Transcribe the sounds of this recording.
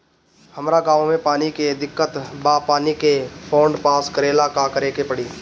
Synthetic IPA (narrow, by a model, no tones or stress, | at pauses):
həmɾaɡãːʋomẽpaːniked̪ɪkːət̪baːpaːnikepʰoːɳɖpaːskəɾeːlakakəɾeːkepəɽiː